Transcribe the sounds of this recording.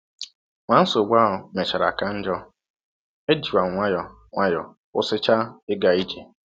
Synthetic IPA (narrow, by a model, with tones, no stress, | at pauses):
ŋʷa˨n̩˦so˨ɡ͡bʷa˦ʊ˨me˨t͡ʃa˨ɾa˨ka˦n̩˦d͡ʒɔ˦ | e˦d͡ʒi˨wa˨ŋʷa˦jɔ˨ | ŋʷa˦jɔ˨ | ʊ̰˦sɪ˦t͡ʃa˦ɪ˦ɡa˨i˦d͡ʒe˨